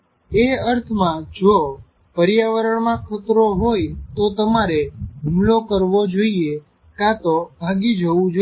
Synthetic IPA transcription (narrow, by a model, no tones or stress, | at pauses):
eəɾt̪ʰmãd͡ʒo | pəɾjaʋəɾəɳmãkʰət̪ɾoɦojt̪ot̪əmaɾeɖʱumlokəɾʋod͡ʒoie | kat̪obʱaɡid͡ʒʱəʋũd͡ʒo